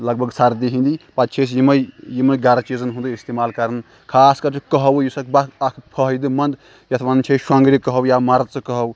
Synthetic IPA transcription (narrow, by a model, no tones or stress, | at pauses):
lɐɡ̚bʱɐɡsaɾd̪iɦĩnd̪ipat̪t͡ʃʰesjimɐjjimɐjɡaɾt͡ʃizɐnɦund̪uist̪emaːlkɐɾn | kʰaːskɐɾt͡ʃʰikəɦɐwjusɐkʰbaakʰpʰɐɦjd̪ɨmɐnd̪ | jɐt̪ʰʋant͡ʃʰeʃwãŋɡɾikɐɦɐwjamaɾt͡sɐkɐɦɐw